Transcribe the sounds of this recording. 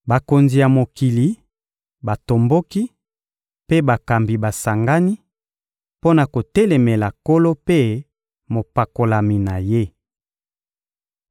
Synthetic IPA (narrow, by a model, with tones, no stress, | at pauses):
ba˨ko˨nzi˨ja˨mo˨ki˨li˨ | ba˨to˨mbo˦ki˦ | pe˦ba˨ka˨mbi˨ba˨sa˨ŋɡa˦ni˦ | po˦na˨ko˨tɛ˦le˨me˨la˨ko˦lo˦pe˦ | mo˨pa˨ko˨la˨mi˨na˨je˦